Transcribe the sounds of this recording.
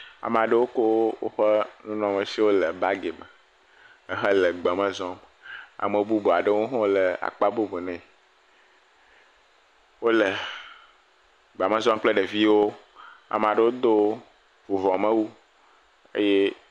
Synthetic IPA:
a̰˨m˨a˨ɖə˦wo˦ko˦wo˦wo̰˦ɸə˦nũ˦nɔ̃˨mə̃˨si˦wo˦lə˨ba˦ɡe˨mə˨ | ə˦ɦə˦lə˨ɡ͡ba˨mə̃˦zɔ˦m | a̰˨mə˨bu˦bo˨a˨ɖə˦wo˦ɦɔ̃˦lə˨a̰˨k͡pa˦bo˦bo˨nɛ̃˨ | wo˦lə˨ | ɡ͡ba˨mə̃˦zɔ̃˦m˦k͡plə˦ɖə˨vi˦wo˦ | a̰˨m˨a˨ɖə˦wo˦d̪o˦ | vo˨vɔ̃˨mə̃˦wu˦ | ḛ˦je˦

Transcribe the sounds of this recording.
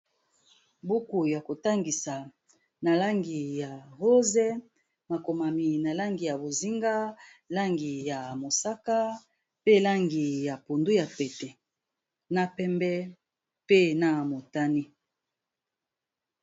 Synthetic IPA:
bu˦ku˨ja˨ko˨ta˦ŋɡi˨sa˨ | na˨la˦ŋɡi˨ja˨ɣo˦zɛ˦ | ma˨ko˨ma˨mi˨na˨la˦ŋɡi˨ja˨bo˨zi˦ŋɡa˦la˦ŋɡi˨ja˨mo˨sa˦ka˦ | pe˦la˦ŋɡi˨ja˨pu˨ndu˦ja˨pɛ˨tɛ˨ | na˨pɛ˦mbɛ˦ | pe˦na˨mo˨ta˦ni˦

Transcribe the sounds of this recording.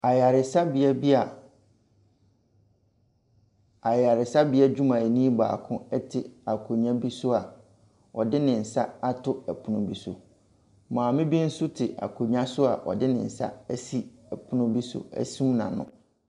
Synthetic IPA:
a˨ja˨ɾɪ˨sa˦bi˨ɛ˦bi˦a˨ | a˨ja˨ɾɪ˨sa˦bi˦ɛ˦d͡ʑᶣu˦mã˨ɛ˨nĩ˦ba̰ː˨kʰʊ̃˦ɛ˦tʰɪ˨a˨kʰo˨ɲã˦bi˦sʊ˦a˨ | ɔ˨dɪ˦nɪ̃˨n̩˨sa˦a˦tʰʊ˦ɛ˨pʰʊ˨nʊ̃˨bi˦sʊ̰˨ | mã˨mɪ̃˦bi˦n̩˦sʊ˦tʰɪ˨ʔa̰˨kʰo˨ɲã˦sʊ˦a˨ʔɔ̰˨dɪ˦nɪ̰̃˨n̩˨sa̰˦æ˦si˦ɛ˨pʰʊ˦nʊ̃˦bi˦sʊ̰˨æ̰˦sũ˦mnã̰˨nʊ̰̃˦

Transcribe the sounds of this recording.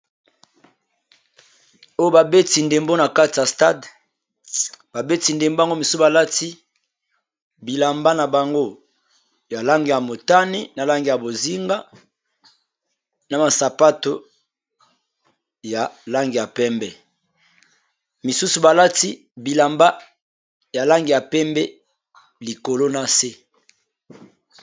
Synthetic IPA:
o˦jo˦ba˨be˦ti˨nde˨mbo˦na˨ka˦ti˨ja˨sta˦d | b̥a˨be˦ti˨nde˨mbo˦a˨ŋɡo˦mi˨su˦sba˨la˦ti˦ | bi˨la˨mba˦na˨ba˨ŋɡo˦ | ja˨la˦ŋɡi˨ja˨mo˨ta˦ni˦na˨la˦ŋɡi˨ja˨bo˨zi˦ŋɡa˦ | na˨ma˨sa˨pa˦to˦ | ja˨la˦ŋɡi˨ja˨pɛ˦mbɛ˨ | mi˨su˦su˨ba˨la˦ti˦ | bi˨la˨mba˦ | ja˨la˦ŋɡi˨ja˨pɛ˦mbɛ˦ | li˨ko˨lo˦na˨se˦

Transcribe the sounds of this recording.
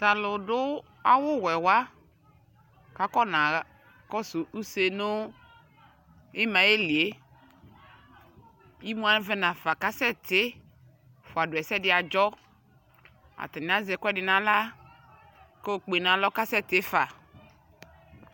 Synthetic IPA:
ta˨lʊ˨dʊ˦ | a˦wʊ˦wɛ˨wa˦ | ka˨kɔ˦nã˨ | kɔ˦su˨u˦se˦nʊ˦ | ɪ˦mã˨e˦li˨e˦ | i˦mu˦a˦vɛ˦nã˨fa˨ka˦sɛ˦tɪ˨˦ | fʊ˨a˨dʊ˨ɛ˨sɛ˦dɪ˦a˨d͡ʒɔ˦ | a̰˨tɪ˨nɪ˨˦a˦zɛ˨kʷɛ˦dɪ˨nã˨la˦ | ko˦o˨k͡pe˨nã˨lɔ˦ka˦sɛ˦tɪ˦fa˨

